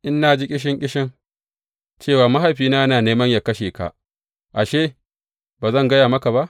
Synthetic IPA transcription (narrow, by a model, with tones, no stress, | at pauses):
ʔɪ˦nːa˦d͡ʒi˦kʲʼɪ˦ʃ̬ɪ˦ŋkʲʼɪ˦ʃɪ˦ŋ | t͡ʃeː˦˨waː˨mɐ˦ɦa˨jɸiː˦naː˦ɐ˦naː˨neː˦mɐ˦ɲjaː˨kɐ˦ʃeː˨ka̰˨ʔ | ʔa˨ʃeː˦ | baː˨zɐ˦˨ŋɡɐ˦jaː˨mɐ˦ka˨ba˦ʔ